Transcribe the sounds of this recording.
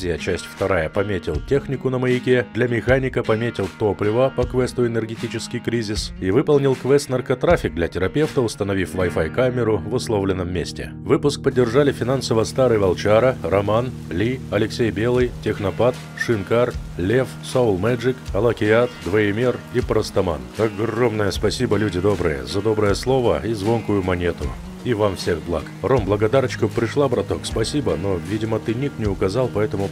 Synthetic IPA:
ɪjət͡ɕæsʲtʲft̪ɐɾajəpɐmʲetʲɪlˠtʲe̞xnʲɪkʊnəməɪkʲed̪lʲɐmʲɪxanʲɪkəpɐmʲetʲɪlˠt̪oplʲɪvəpɐkvɛst̪ʊɪnʲɪrɡʲɪtʲit͡ɕɪskʲɪjkɾʲizʲɪsivɨpəlˠnʲɪlˠkvɛst̪nərkɐt̪ɾafʲɪk̚d̪lʲɐtʲɪɾɐpʲe̞ft̪əʊst̪ənɐvʲifvɐjfajkamʲɪɾʊvɨslˠovlʲɪnːəmːʲesʲtʲɪ̰ | vɨpʊsk̚pədʲːɪrʐalʲɪfʲɪnansəvəst̪aɾɨjvɐlˠt͡ɕaɾərɐman | lʲiɐlʲɪksʲejbʲe̞lˠɨjtʲɪxnɐpat̪ | ʂɨnkarlʲefsoʊlˠmɛʐɨkɐlˠəkʲɪat̪d̪vəɪmʲeripɾəst̪ɐma̰nɐɡro̞mnəjəspɐsʲibəlʲudʲɪd̪o̞bɾəjə̰zɐd̪o̞bɾəjəslˠo̞vəizvo̞nkʊjʊmɐnʲet̪ʊ̰ | ivamfsʲe̞xblˠa̰kromblˠəɡɐd̪aɾət͡ɕkʊpɾʲɪʂlˠabɾɐt̪o̞kspɐsʲibənovʲidʲɪmət̪ɨnʲik̚t̪nʲɪʊkɐzalˠpɐɛt̪əmʊ

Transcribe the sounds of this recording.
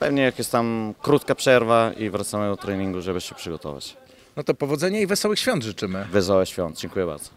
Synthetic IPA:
pɛvɲɛjakjɛst̪amkɾut̪kapʂɛɾvaivɾat̪samɘd̪ɔt̪ɾɛɲiŋɡuʐɛbɘɕɛpʂɘɡɔt̪ɔ̰va̰t͡ɕ | nɔt̪ɔpɔvɔd̪zɛɲɛivɛsɔwɘxɕfʲɔnt̪ʐɘt͡ʂɘmɘvɛsɔwɛɕfʲjɔnd̪̚d͡ʑɛŋkujɛba̰ɾd̪zɔ̥

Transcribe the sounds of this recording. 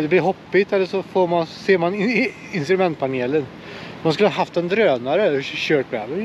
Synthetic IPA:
d̪ɛblɪɾɦɔpːɪt̪ɛlːəʂɔfoːɾmanseːman | ɪnst̪ɾɵmɛnt̪̚pʰaneːlən | manskɵləhɑːɦaft̪ɛnd̪ɾøːnaɾəɕøːʈ̚bɛːvə

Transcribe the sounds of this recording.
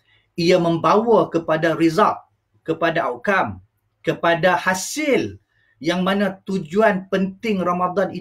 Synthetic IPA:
iamə̃mbawakəpadaɾizaʔ̚ | kəpadaawkam | kəpadahasɪl | jaŋmãnãt̪ud͡ʒuanpənt̪ɪŋramad̪ɔni

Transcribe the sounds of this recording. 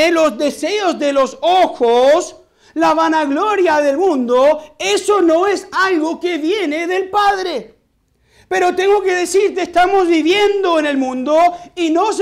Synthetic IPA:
elozðeseozðe̞losoxos | laβanaɣloɾjaðe̞lmũnd̪oesono̞esalɣoke̞βjeneðelpaðɾe | pe̞ɾo̞t̪e̞ŋɡo̞ke̞ðesiɾkeːst̪amozβiβjend̪o̞ene̞lmũnd̪oinos̬

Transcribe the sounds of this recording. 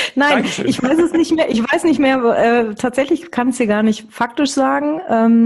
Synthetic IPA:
naɪnʔɪçv̥aɪsɛsnɪçtmeːɐʔɪçv̥aɪsnɪçtmeːɐʔɛːtʰaːtz̥ɛçlɪçkʰansd̥iːɡaːɐnɪçtfak̚tɪʃz̥aːɡŋ̩ʔɛːm

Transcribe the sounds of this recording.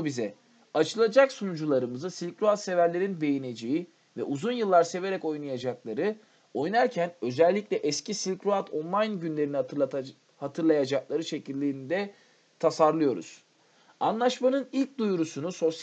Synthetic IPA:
bizɛ | at͡ʃʰɯlˠad͡ʒaksunud͡ʒulˠaɾɯmɯzɯsilʲcɾoat̪se̞væɾlʲe̞ɾinbe̞jine̞d͡ʒeji | vɛ̰ʔuzunjɯlˠːaɾse̞ve̞ɾɛko̞jnajad͡ʒaklˠaɾɯ | o̞jnaɾcʰænø̞zælʲːicʲlʲɛʔɛscʰisilʲkɾoat̪ʰo̞nlˠajnɟynlʲe̞ɾini | hat̪ʰɯɾlˠajad͡ʒaklˠaɾɯʃe̞cilʲːiːnid̪ɛ | t̪ʰasaɾlˠɯjo̞ɾṵz̥ | anlˠaʃmanɯnilʲc̚d̪ujɾusunuso̞s

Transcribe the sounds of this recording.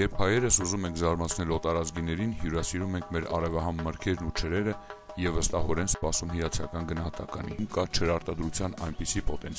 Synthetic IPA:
jɛɾpʰhɑjɛɾəsuzumɛŋkʰzɑɾmɑt͡sʰnɛlɔt̪ɑɾɑt͡sɡinɛɾinhjuɾɑsiɾumɛŋkʰmɛɾɑ̰rɛvɑɦɑmːəɾkʰɛɾnut͡ʃʰəɾɛɾə | jɛvəst̪ɑɦɔɾɛnspɑsumɦijɑt͡sʰjɑkɑnɡənɑhɑt̪ɑkɑnimkɑt͡ʃʰəɾɑɾt̪ɑd̪ɾut͡sʰjɑnɑjnpisipɔt̪ɛnt͡sʰ

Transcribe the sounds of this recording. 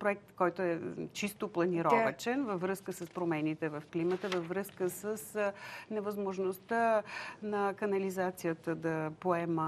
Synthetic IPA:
pɾoɛk̚t̪kɔjt̪oɛt͡ʃist̪oplˠɐniɾɔvət͡ʃɛnvəvɾəskəsəspɾomɛnit̪ɛvəfklimət̪əvəvɾəskəsəsnɛvəzmoʒnost̪ənɐkɐnɐlizat̪sijət̪əd̪ɐpoɛmə

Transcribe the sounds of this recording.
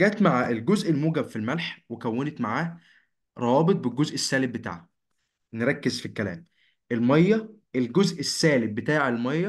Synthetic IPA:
ɡæːt̪maʕaːʔelɡozʔelmuːɡæbfilmælħwekæwːenet̪maʕaː | ɾˤɑwɑːbet̪̚ˤbelɡozʔesːæːleb̚bet̪a̰ːʕhæ | neɾˤɑkːezfikːælæ̰ːm | elmɑjːɑ | elɡozʔesːæːlebbet̪aːʕelmɑjːɑ

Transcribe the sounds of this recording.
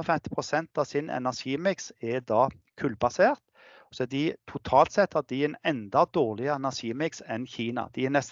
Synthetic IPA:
ɔfɛmt̪ɪ̥pʰʁʊsɛnt̪ɑʋsɪnɛ̰næʁʃiːmɪksɛd̪ɑː | kʰʉlbɑseːʁt̪ | sɔɛd̪ɪt̪ʰʊt̪ʰɑːlt̪sɛt̪hɑd̪ɪɛnɛnd̪ɑd̪oːʁlɪəɛnæsiːmɪksɛnçiːnɑ̰d̪̥ɪɛnɛst̪

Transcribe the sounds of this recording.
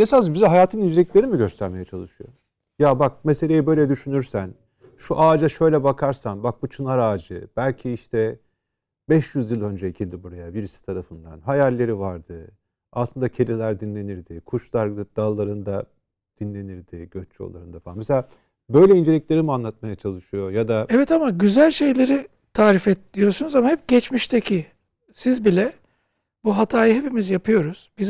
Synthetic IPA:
esazbizɛɦajaːt̪ʰɯnind͡ʒe̞lʲiclʲe̞ɾimiɟø̞st̪ʰæɾme̞jɛt͡ʃʰalˠɯʃujo̰ | jabak̚mese̞lʲe̞jibø̞jlʲɛd̪yʃynyɾsæn | ʃuʔaːd͡ʒaʃø̞jlʲɛbakʰaɾsanbak̚but͡ʃʰɯnaɾaːd͡ʒɯb̥ælʲcʰiiʃt̪ʰɛ | bɛʃjyzjilʲˠø̞nd͡ʒɛicʰilʲd̪ibuɾajabiɾisi̥t̪ʰaɾafɯnd̪anɦajalʲːe̞ɾivaɾd̪ɯ | a̰sˠɯnd̪acʰe̞lʲilʲæɾd̪inlʲe̞niɾd̪ɪkʰut͡ʃlˠaɾɡ̪ɯd̪̥alˠːaɾɯnd̪a | d̪̥inlʲe̞niɾd̪ɪɟ̥øt͡ʃʰo̰lˠaɾɯnd̪afaanmeselʲaː | bø̞jlʲɛind͡ʒe̞lʲicʲlʲe̞ɾimianlˠat̪̚majat͡ʃʰalˠɯʃɯjo̞jad̪aɛvɛt̪amaɟyzælʲʃe̞jlʲe̞ɾi | t̪ʰaːɾifɛt̪lʲijo̞ɾsunuzamahɛp̚ɟɛt͡ʃmiʃt̪ʰecʰi | sizbilʲɛ | buɦat̪ʰaːjɯɦe̞pimizjapʰɯjo̞ɾuz̥biz

